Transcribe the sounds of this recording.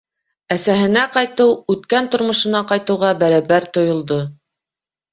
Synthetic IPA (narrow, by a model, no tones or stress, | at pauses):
æsæɦɘ̆næqɑjt̪ɤwʉt̪kænt̪ŏɾmŏʃɤ̆nɑqɑjt̪ɤ̆wʁɑbæɾæβæɾt̪ŏjŏlˠd̪o